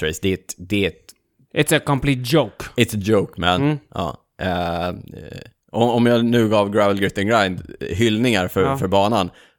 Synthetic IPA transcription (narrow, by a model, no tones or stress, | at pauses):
ɾɛɪsd̪ɛɛt̪d̪ɛɛt̪ | ʔɪt̪sɛkɔ̃mpʰliːt̪̚d͡ʒoʊkɪt̪səd͡ʒoʊkmɛ̰nɑ̰ː | ʔ | ɔɔmjɑːnʉ̟ːɡɑːvɡɾavəlɡɾɪt̪ːənɡɾajnd̪ɦʏlnɪŋaɾfœfœɾbɑːnan